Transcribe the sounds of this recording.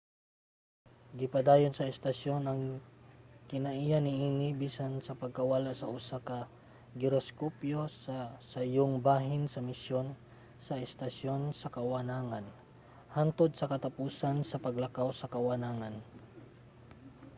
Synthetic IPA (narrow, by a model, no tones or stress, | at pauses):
ɡɪpɐd̪aːjonsɐɛst̪ɐʃjo̞nɐŋ | kɪnɐʔijanɪʔiːnɪbiːsansɐpɐɡ̚kɐwɐlaʔsɐʔʊsakɐ | ɡɪɾoskopjossɐjoŋbaːɦɪnsɐmɪsjon | sɐʔɛst̪ɐʃjo̞nsɐkɐwɐnaːŋan | hant̪od̪̚sɐkɐt̪ɐpuːsansɐpɐɡlɐkawsɐkɐwɐnaːŋɐn